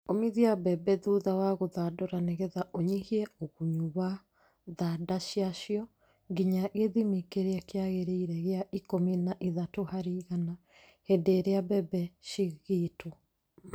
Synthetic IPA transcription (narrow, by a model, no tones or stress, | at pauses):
omiðiabɛbɛðuðawaɣoðadɔɾaneɣɛðaʔoɲihiɛoɣuɲuβa | ðadaʃiaʃjɔ | ŋɡiɲaʔeðimikeɾeɛkeaɣeɾeiɾɛɣeaʔikominaʔiðatohaɾiɣana | hendeɾeabɛbɛʃiɣitʰo